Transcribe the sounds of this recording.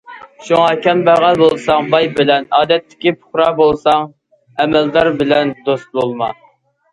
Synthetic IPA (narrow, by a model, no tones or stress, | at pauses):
ʃuŋɑkʲɛnbæʁɑbolˠsɑŋbɑjbɪlɛnɑːd̪ɛt̪ʰːɪ̥kʲipʰʊ̥χɾɑbolˠsɑŋ | ɛmɛld̪ɑɾbɪlɛnd̪ost̪̚bolˠmɑ